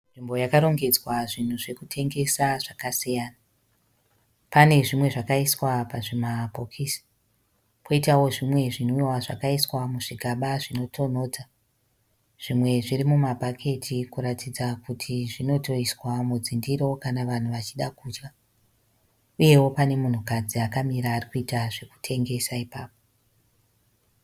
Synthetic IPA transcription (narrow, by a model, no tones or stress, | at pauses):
nʐimbo̞jakaɾo̞ŋɡe̞d͡zwaʐin̤uʐe̞kutʰe̞ŋɡe̞saʐakasijaːna | pane̞ʐimwe̞ʐakaiswapaʐemapo̞kʰiːsi̥ | pʰo̞itawo̞ʐimwe̞ʐin̤uwaʐa̰kaiswamuʐiɡʱaɓaʐino̞tʰo̞no̞ːd͡za | ʐ̥imwe̞ʐirimumabʱakʰe̞tʰikuɾatʰid͡zakutʰiʐino̞to̞iswamud͡zindiɾo̞kanaʋan̤uʋat͡ʃiɗakuːd͡ʒka | uje̞wo̞pane̞mun̤ukad͡ziakamiɾaːrikuitaʐe̞ku̥tʰe̞ŋɡe̞saipaːpo